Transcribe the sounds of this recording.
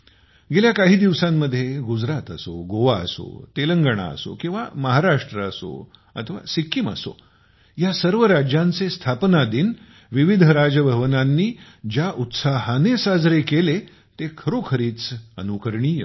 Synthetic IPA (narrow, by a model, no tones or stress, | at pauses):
ɡeljakaɦiːd̪iʋsãmːəd̪ʱːjeɡud͡zɾat̪əso̰ɡoʋaə̰so̰t̪eləŋɡəɳ̃a̰ə̰so̰kĩw̃ʋa̰məɦaɾaʂʈɾəəso̰ | ə̰t̪ʰəʋa̰sikːimə̰so̰ | jasəɾʋəɾad͡ʑjãnt͡sest̪ʰapnad̪iːn | ʋiʋid̪ʱəɾad͡ʑəbʱəʋnanːiː | d͡ʑjaʔut̪saɦənesad͡zɾekele | t̪ekʰəɾokʰəɾiːt͡sənukəɾɳiːjə